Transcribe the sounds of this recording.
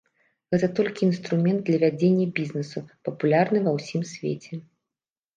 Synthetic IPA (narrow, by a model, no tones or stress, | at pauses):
ɣɛt̪ɐt̪ɔlʲkʲiːnst̪ɾumʲɛnd̪̚d̪lʲɐvʲad͡zʲenʲːɐbʲiznɨsupɐpulʲarnɨvɐwsʲimsʲvʲḛt͡sʲɛ